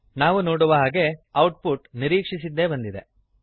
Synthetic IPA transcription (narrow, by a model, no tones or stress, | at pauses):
naːʋunoːɽuʋɐɦaːɡe̞ɐwʈ̚puʈniɾiːkʂisid̪ːe̞bɐnd̪id̪e̞̰